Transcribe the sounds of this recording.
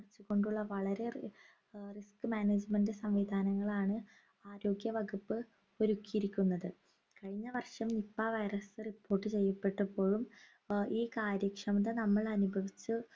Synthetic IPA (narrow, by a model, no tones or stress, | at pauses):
rt͡ɕːuɣo̞ɳɖuɭːɐʋɐɭɐɾe̞ | riskɨmaːneːd͡ʑmendɨsɐmʋid̪ʱaːnɐŋːɐɭaːɳɨ | aːɾo̞ːɡjɐʋɐɡupːɨ | o̞ɾukːijiɾikʲːunːɐðɨ | kɐɻiɲːɐʋɐrʂɐmnipːaːʋɐjrɐsɨripːo̞ːrʈːɨt͡ɕe̞jːɐpːe̞ʈːɐpːo̞ːɻum | iːkaːɾjɐkʂɐmɐðɐnɐmːɐɭɐnubʱɐʋit͡ɕːɨ